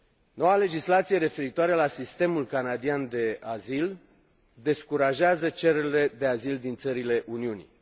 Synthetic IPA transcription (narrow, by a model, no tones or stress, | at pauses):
no̞wale̞d͡ʒislat̪sije̞ɾe̞fe̞ɾit̪oaɾelasist̪e̞mulkanad̪iand̪e̞azil | d̪e̞skuɾaʒeazət͡ʃe̞ɾeɾile̞d̪e̞azild̪int̪səɾile̞ʔuniunḭ